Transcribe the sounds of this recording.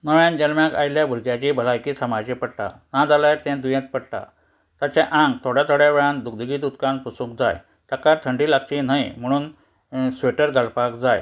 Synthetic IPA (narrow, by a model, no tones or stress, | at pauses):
nəʋjãnd͡ʑəlmjaka̰iljabʱuɾɡjat͡ɕibʱəlajkiːsəmad͡ʑepəɽla̰nãd͡zalaɾt̪ɛ̃d̪ujẽt̪pəɽt̪a̰ | t̪at͡ɕãʔãŋɡ̚t̪ʰoɽjat̪ʰoɽjaʋeɭãnd̪uk̚d̪əɡiːd̪ud̪kãŋpusũkd͡za̰j | t̪akaɾt̪ʰəɳɖiːlak̚t͡ɕin̤ajm̤əɽ̃uːn | sʋeʈəɾɡalpakd͡zaj